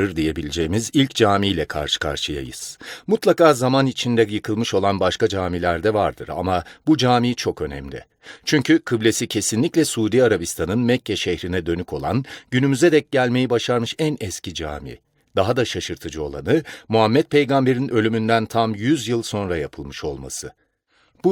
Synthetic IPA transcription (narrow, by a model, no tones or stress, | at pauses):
ɯɾd̪ije̞bilʲid͡ʒejːmizilʲcd͡ʒaːmiːlʲɛkʰa̰ɾʃɯ̥kʰa̰ɾʃɯja̰jɯ̰z̥mut̪lˠakaːzamanit͡ʃʰind̪ɛjɯkʰɯlˠmɯʃo̞lˠanbaʃkad͡ʒaːmilʲæɾd̪ɛvaɾd̪ɯɾa̰mabud͡ʒaːmiːt͡ʃʰo̞kø̞nɛ̰mlʲɪ̰ | t͡ʃʰyɲcʰykʰɯblʲesicʰe̞sinlʲiclʲɛsuːd̪iːaɾabist̪ʰanɯnmɛcʰːɛʃɛhɾinɛd̪ø̞nykʰo̞lˠa̰nɟynymyzɛd̪ɛc̚ɟælʲme̞jibaʃaɾmɯʃænɛscid͡ʒa̰ːmḭ | d̪̥aɦad̪aʃaʃɯɾt̪ʰɯd͡ʒɯo̞̰lˠa̰nɯmuɦamːɛt̪̚pʰe̞jɡambe̞ɾinʔø̞lʲymynd̪ænt̪ʰamjyzjɯlˠso̞nɾajapʰɯlˠmɯʃo̞̰lˠma̰sɯ | b